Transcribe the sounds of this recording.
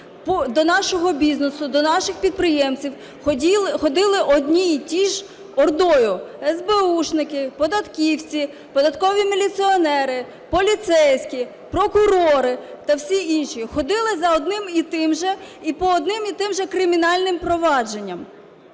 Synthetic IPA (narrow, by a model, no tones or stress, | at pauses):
pɔd̪ɔnɑʃɔɦɔbʲiznesʊd̪ɔnɑʃɪxpʲid̪̚pɾɪjɛmt͡sʲiwʲ | ilˠxɔd̪ɪlˠɪʔɔd̪ʲnʲijtʲiʒ | ɔrd̪ɔjʊɛzbeuʃnɪkɪpɔd̪ɐt̪kʲiwt͡sʲi | pɔd̪ɐt̪kɔʋʲimilʲit̪siɔnɛɾɪ | pɔlʲit̪sɛjsʲkʲi | pɾɔkʊɾɔɾɪt̪ɐwsʲiinʃixɔd̪ɪlˠɪzɐɔd̪nɪmit̪ɪmʒɛipɔːd̪nɪmit̪ɪmʒɛkɾɪmʲinɑlʲnɪmpɾɔʋɑd͡ʒe̞nʲːɐm